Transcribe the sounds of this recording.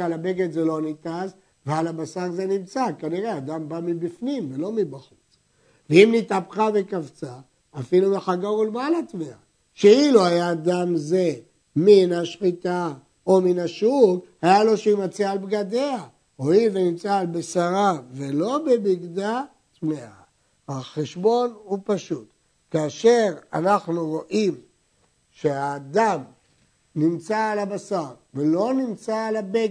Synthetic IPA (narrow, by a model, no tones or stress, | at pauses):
alabeɡet̪zelo̞nit̪az | vealabasaʁze̞nimt͡sakaniʁe̞ad̪ambamibifnimvelo̞mibaχut͡s | veimnit̪apχave̞kavt͡saː | filubeχaɡaʁulmalat̪vea | ʃeiluajaːd̪amze̞ | minaʃχit̪a | ominaʃuɡhajalo̞ʃeimat͡siaːlbɡad̪e̞a | oivenimt͡saːlbesaʁavelo̞bebiɡd̪a | t͡smea | aχeʃbo̞nupaʃut̪ | kaːʃe̞ʁa̰naχnuʁo̞ʔim | ʃeaːd̪am | nimt͡saːlabasaʁvelo̞nimt͡saːlabe